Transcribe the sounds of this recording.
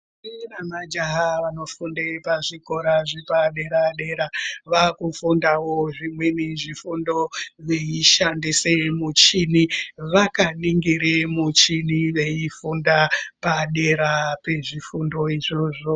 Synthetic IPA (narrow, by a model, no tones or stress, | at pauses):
iramad͡ʒaɦaʋano̞fundepaʐiko̞ɾaʐipaɗe̞ɾaɗe̞ɾaʋakufundawoʐimwe̞niʐifundo̞ʋe̞iʃandisemut͡ʃiniʋakaniŋɡiɾemut͡ʃiniʋe̞ifundapaɗe̞ɾape̞ʐifundo̞iʐo̞ʐo